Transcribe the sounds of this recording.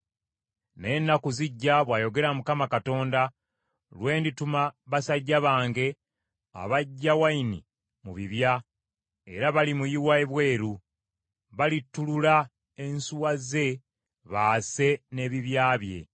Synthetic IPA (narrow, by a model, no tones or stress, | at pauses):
nenːakuziɟːaβwaːjo̞ɡe̞ɾamukamakato̞ːnda | lwe̞ːnditumaβasaɟːaβaːŋɡe̞ | a̰βaɟːawainḭ | mṵβiβja | eɾaβalimujiwaeβwe̞ːɾu | βalitːulula | ensuwaze̞ | βaːse̞ne̞ːβiβjaːβje̞̰